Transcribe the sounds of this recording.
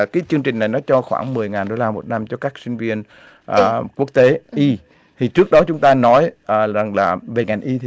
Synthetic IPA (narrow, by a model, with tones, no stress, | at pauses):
kaː˨˦jt͡ɕɨ˧əŋt͡ɕï˨˩ŋ̟na˨˩jnɔ˨˦t͡ɕɔ˧xwa̰ː˧˩ŋmɨ˨˩əjŋaː˨˩nɗo˧laː˧mo˨˩t̚na˧mt͡ɕɔ˧kaː˦˥k̚si˧ŋ̟vi˧ən | ʔəː˨˩ku˦˥ək̚t̪e˨˦ʔi˧ | t̪ʰi˨˩t͡ɕɨ˦˥ək̚ɗɔ˨˦t͡ɕʊ˨˦ŋ͡mt̪aː˧nɔ˨˦jʔːa˨˩ŋlaː˨˩ve˨˩ŋa˨˩jŋ̟ʔi˧˨